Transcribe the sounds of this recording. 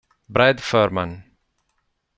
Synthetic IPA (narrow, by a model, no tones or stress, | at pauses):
bɾɛd̪fœːɾman